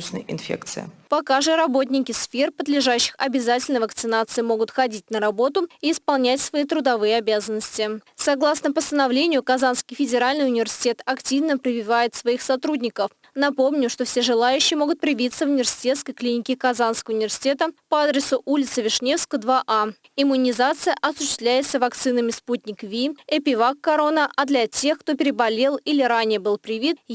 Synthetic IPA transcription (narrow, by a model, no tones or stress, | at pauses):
t͡ɕnə̰jɪ̰nfʲḛkt̪sɨ̰ə̰pɐkaʐɨɾɐbo̞t̪̬ʲnʲɪkʲɪsfʲe̞rpəd̪lʲɪʐaɕːɪ̥xɐbʲɪzatʲɪlʲnəjvəkt̪sɨnat̪sɨɪmo̞ɡʊt̪xɐdʲitʲnəɾɐbo̞t̪ʊiːspɐlˠnʲætʲsvɐit̪ɾʊd̪ɐvɨjəɐbʲazənːəsʲtʲɪsɐɡlˠasnəpəst̪ənɐvlʲenʲɪjʊkɐzanskʲɪjfʲɪdʲɪɾalʲnɨjʊnʲɪvʲɪrsʲɪ̥tʲet̪ɐktʲivnəpɾʲɪvʲɪvajɪt̪svɐixsɐt̪ɾudʲnʲɪkəf | nɐpo̞mnʲʊʂt̪o̞fsʲeʐɨlˠajʉɕːɪjəmo̞ɡʊt̪̚pɾʲɪvʲit̪səvʊnʲɪvʲɪrsʲɪ̥tʲe̞t̪skəjklʲinʲɪkʲɪkɐzanskəvəʊnʲɪvʲɪrsʲɪ̥tʲe̞t̪əpəad̪ɾʲɪsʊʔulʲɪt̪sɨvʲɪʂnʲe̞fskəd̪vaʔa | ɪmːʊnʲɪzat̪sɨjəʔɐsʊɕːɪst̪vlʲæjɪt̪səvɐkt̪sɨnəmʲɪsput̪̚ʲnʲɪkvʲiɛpʲɪvakːɐɾo̞nəʔɐd̪lʲɐtʲe̞xkt̪o̞pʲɪɾʲɪbɐlʲe̞lˠilʲɪɾanʲɪjəbɨlˠpɾʲɪvʲit̪̚